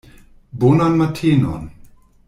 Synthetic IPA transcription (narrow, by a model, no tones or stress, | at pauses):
bonanmatʰeːnɔ̰n